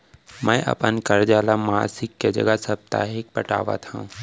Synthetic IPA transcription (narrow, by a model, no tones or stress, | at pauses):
mɛ̃ːʔɐ̰pənkɐɾd͡ʒaːlamaːsɪkːed͡ʒɐ̰ɡəsɐb̚t̪a̰ːɦɪk̚pɐʈa̰ːʋa̰t̪ʰaũ